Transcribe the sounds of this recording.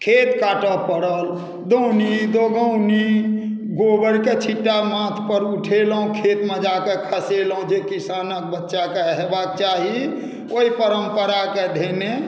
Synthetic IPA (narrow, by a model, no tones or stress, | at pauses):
kʰet̪kaʈəpəɽəl | d̪ownid̪oɡəwni | ɡobəɽket͡ʃʰiʈːamãt̪ʰpəɾuʈʰeləɦũkʰet̪med͡ʒakekʰəselũd͡ʒekisanək̚bətːʃakeɦebak̚t͡ʃaɦi | oipəɾəmpəɾaked̪ʱene